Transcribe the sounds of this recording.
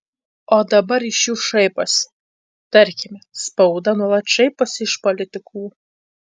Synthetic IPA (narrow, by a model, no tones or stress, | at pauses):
ɔd̪ɐbɐɾiʃjuwʃɛjpɐs | t̪ɐɾʲkʲɪmʲɛspɐwd̪ɐnuɔlˠɐt̪t͡ʃɛjpɐsɪʃpolʲɪt̪ʲɪkʰuː